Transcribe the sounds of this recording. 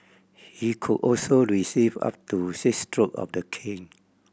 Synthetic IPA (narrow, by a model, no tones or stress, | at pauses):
hikʰudɔlsoɹisiva̰p̚tusistɹokɔ̰fdəkʰɪ̃ŋ